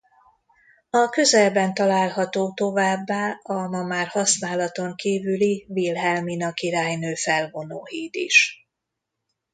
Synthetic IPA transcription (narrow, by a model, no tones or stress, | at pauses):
ɒkø̞zɛlbɛnt̪ɒlaːlɦɒt̪oːt̪o̞vaːbːaːɒmɒmaːrhɒsnaːlɒt̪o̞ŋkiːvylivilɦɛlminɒkiɾaːjnøːfɛlvo̞no̰ːhiːd̪ḭʃ